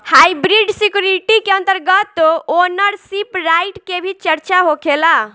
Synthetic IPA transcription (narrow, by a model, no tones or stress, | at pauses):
hajbɾiɖsikjuɾiʈikeənt̪əɾɡət̪ːonəɾsipɾajʈkebʱit͡ʃəɾt͡ʃaɦokʰela